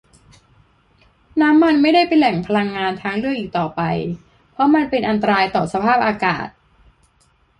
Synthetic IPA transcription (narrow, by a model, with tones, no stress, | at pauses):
naː˦˥mːa˧nma˥˩jda˥˩jpa˧nlɛ˨˩˦ŋpʰa˧la˧ŋːaː˧nt̪ʰaː˧˥ŋɾɯ˥˩əŋʔiː˨˩k̚t̪ɔː˨˩pa˧j | pʰɾɔ˦˥ma˧npe˧nʔa˧nt̪̬a˧ɾaː˧jt̪ɔː˨˩sa˧pʰaː˥˩p̚ʔaː˧ka̰ː˨˩t̪̚